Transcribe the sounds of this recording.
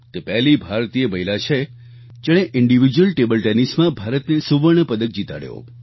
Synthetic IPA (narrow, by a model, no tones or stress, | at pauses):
t̪epɛɦlibʱaɾt̪ijəməilat͡ʃʰe | d͡ʒeɽ̃eʔɪɳɖiʋid͡ʒwəlʈebəlʈɛnismãbʱaɾət̪nesuʋəɳəpəd̪ək̚d͡ʒit̪a̰ɽjo̰